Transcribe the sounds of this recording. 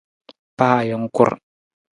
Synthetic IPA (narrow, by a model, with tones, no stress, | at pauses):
pa˦ha˨jɔ˨˦ŋ˦kʊ̰˦ɾ